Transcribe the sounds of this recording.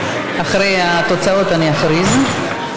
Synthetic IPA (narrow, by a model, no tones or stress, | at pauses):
aχɾejat̪ot͡sao̞t̪aniaχɾiz